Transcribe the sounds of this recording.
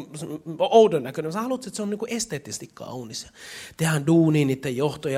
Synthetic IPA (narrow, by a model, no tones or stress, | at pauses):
sʔoudønːækønemsɑhɑlot̪set̪seonːiŋkuʔest̪eːt̪ːisest̪ikkɑ̰unisjɑ̥t̪ehænduːniːniːt̪ːejjoht̪ojɑ